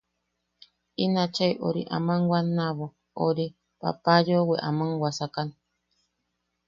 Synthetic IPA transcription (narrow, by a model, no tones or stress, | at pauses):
inat͡ʃajʔo̰ɾḭʔa̰mãŋwanaβo | oɾi | pa̰pajoweʔamɨŋwasakani